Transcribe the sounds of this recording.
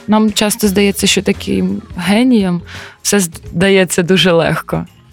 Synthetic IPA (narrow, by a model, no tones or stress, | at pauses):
namt͡ʃɑst̪ɔzd̪ɐjɛt͡sʲːɐʃt͡ʃɔt̪ɐkʲʰɪ̰mɦɛnʲijɐmwsɛd̪ɐjɛt͡sʲːɐd̪uʒɛlˠɛ̰xkɔ